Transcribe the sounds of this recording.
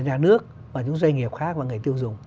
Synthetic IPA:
ɲaː˨˩nɨ˦˥ək̚ | vaː˨˩t͡ɕʊ˨˦ŋ͡mzwa˧jŋi˨˩əp̚xaː˦˥k̚vaː˨˩ŋɨ˨˩əjt̪i˧əwzʊ˨˩ŋ͡m

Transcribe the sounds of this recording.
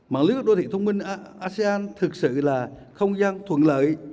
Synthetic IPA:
ma̰ː˧˥nlɨ˦˥ək̚ɗo˧t̪ʰḭ˧˨t̪ʰə˧wŋ͡mmï˧ŋ˧ʔaː˧se˧aː˧nt̪ʰɨ˨˩k̚sɨ̰˧˨laː˨˩xə˧wŋ͡mzaː˧nt̪ʰwə̰˧˨nlə̰ː˧˨j

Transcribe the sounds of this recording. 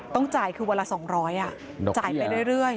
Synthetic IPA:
t̪ɔ˥˩ŋt͡ɕaː˨˩jkʰɯː˧wa˧lːaː˧sɔː˩˦ŋɾɔː˦˥jʔa˨˩ | dt͡ɕaː˨˩jpa˧jɾu˥˩əjɾɯ˥˩əj

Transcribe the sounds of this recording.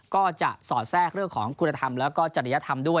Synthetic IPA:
kɔː˥˩t͡ɕa̰˨˩ʔsɔː˨˩t̪̚sɛː˥˩k̚ɾɯ˥˩əŋkʰɔː˩˦ŋkʰu˧nːa˧t̪ʰa˧mlɛː˦˥wkɔː˥˩t͡ɕa˨˩ɾa˧˦ja˦˥t̪ʰa˧mdu˥˩əj

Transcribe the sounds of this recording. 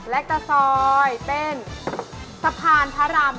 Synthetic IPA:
lɛ˦˥k̚t̪a˧sɔː˧jpe˧n | sa˧pʰaː˧npʰa˦˥ɾaː˧m

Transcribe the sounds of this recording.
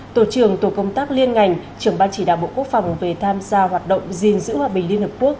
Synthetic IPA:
t̪o˧˩t͡ɕɨ˨˩əŋt̪o˨˩kə˧wŋ͡mt̪aː˦˥k̚li˧ənŋa˨˩jŋ̟ | t͡ɕɨ˨˩əŋɓaː˧nt͡ɕi˧˩ɗa̰ː˧˨ɓo̰˧˨ku˦˥ək̚fa˨˩wŋ͡mve˨˩t̪ʰaː˧mzaː˧ɦwaː˨˩t̚ɗə̰˧˨wŋ͡mzi˨˩nzɨ̰˧˥hwaː˧ɓï̟˩li˧ənhəː˨˩p̚ku˦˥ək̚

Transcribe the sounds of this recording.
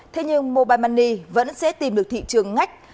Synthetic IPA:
t̪ʰe˧ɲɨ˧ŋmo˨˧˨ɓaː˨˩jma˧˩nːi˧˩və̰˧˥nsɛ̰˧˥t̪i˨˩mɗɨ˨˩ək̚t̪ʰḭ˧˨t͡ɕɨ˨˩əŋːa˦˥jk̟̚

